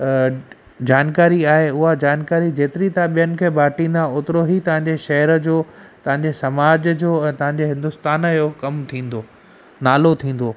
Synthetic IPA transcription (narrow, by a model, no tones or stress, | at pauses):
d͡ʑaːnkaːɾiaːɦeʊɦad͡ʑaːnkaːɾid͡ʑeːt̪ɪɾit̪ʰãɓijənɪ̆kʰeːbʱaːʈĩːnd̪aʊt̪ɪɾoɦit̪ɐʋ̤ãɲd͡ʑeʃɐɦəɾəd͡ʑoːt̪ɐʋ̤ãɲd͡ʑesɐmaːd͡ʑd͡ʑoːɛ̃ːt̪ɐ̃ɦãɲ̆d͡ʑeɦɪ̃nd̪ʊst̪aːnəjokɐmt̪ʰĩːn̆d̪oː | naːlot̪ʰĩːn̆d̪oː